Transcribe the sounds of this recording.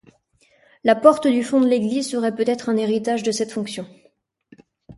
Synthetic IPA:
lapɔʁt̪d̪yfɔ̃d̪əleɡlizsəʁɛpøt̪ɛt̪χɛ̃neʁit̪aʒd̪əsɛt̪fɔ̃ksjɔ̃

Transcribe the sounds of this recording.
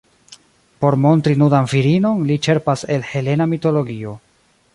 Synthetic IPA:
po̞ɾmo̞ntɾinudanfiɾino̞nlit͡ʃe̞ɾpase̞lhe̞le̞namito̞lo̞ɡio̞

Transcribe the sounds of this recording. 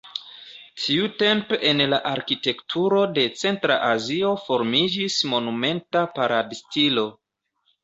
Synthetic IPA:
tʰiute̞mpenlaʔaɾkite̞ktʰuɾo̞de̞t͡se̞ntɾa̰ʔazio̞fo̞ɾmid͡ʒismo̞nume̞ntapaɾadstilo̞

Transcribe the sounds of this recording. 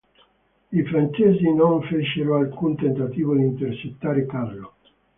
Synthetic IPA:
ifɾant͡ʃɛzinoɱfet͡ʃeɾoalkunt̪ent̪at̪iːvod̪int̪eɾt͡ʃet̪ːaːɾekaɾlo

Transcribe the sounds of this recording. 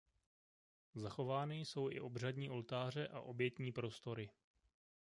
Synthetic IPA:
zaxo̞vaːnɪjso̞wʔɪ̰ʔo̞br̝adɲiːʔo̞lt̪aːr̝ɛʔa̰ʔo̞bjɛt̪ɲiːpɾo̞st̪o̞ɾɪ

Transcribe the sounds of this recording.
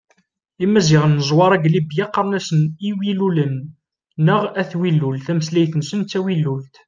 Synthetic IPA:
imːæziʁənːəzˤwɑɾˤæɡlibjɑqːəɾˤnæsəniwilulənː | əʁæθwilːult̪æməslæjθənsənːæwilːult̪

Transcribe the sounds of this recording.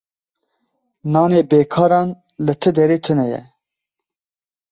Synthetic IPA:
nɑːneːbeːkʰɑːɾɑːn | lɨt̪ʰɨd̪ɛɾeːt̪ʰɨnɛjɛ̰

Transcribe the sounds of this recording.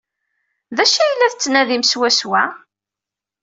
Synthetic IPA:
ðæʃæjlːæðt͡sːnæðimswæswæ

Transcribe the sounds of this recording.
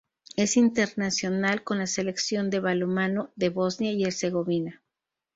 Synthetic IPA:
e̞sint̪e̞ɾnasjo̞nalko̞nlase̞le̞ksjo̞nd̪e̞βalomanoðe̞βo̞znjaie̞ɾse̞ɣo̞βina

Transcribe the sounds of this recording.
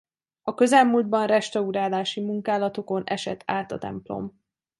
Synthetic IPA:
ɒkø̞zɛlmuːld̪̚bɒnrɛʃt̪ɒuɾaːlaːʃimuŋkaːlɒt̪o̞ko̞nɛʃɛt̪ʰːaːt̪ɒt̪ɛ̰mplo̞̰m

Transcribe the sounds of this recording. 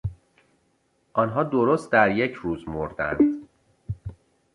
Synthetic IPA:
ʔɒːnɦɒːd̪o̞ɾost̪̚d̪æɾje̞cʰɾuːzmoɾd̪æ̰nd̪

